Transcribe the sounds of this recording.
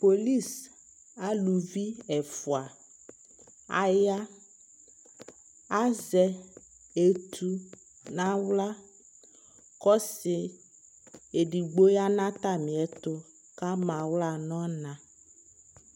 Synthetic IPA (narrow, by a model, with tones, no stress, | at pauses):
po˨li˦˨s | a˦lu˨vi˦ɛ˨fu˨a˨ | a̰˦ja˦ | a˦zɛ˨ | e˨t̪ʰu˨ | nã˦wla˦ | kɔ˦se˨ | e˨ɖi˨ɡ͡bo˦ja˦nã˦t̪a˦mĩ˨ɛ˨t̪o˦ | ka˦mã˨wla˦˨nɔ̃˦nã˨